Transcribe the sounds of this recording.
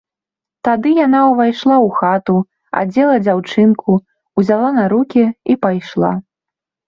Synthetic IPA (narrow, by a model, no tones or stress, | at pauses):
t̪ad̪ɨjanawvajʂlˠawxat̪u | a̰d͡zʲɛlˠɐd͡zʲawt͡ʂɨnku | uzʲalˠanɐɾukʲiipajʂlˠa̰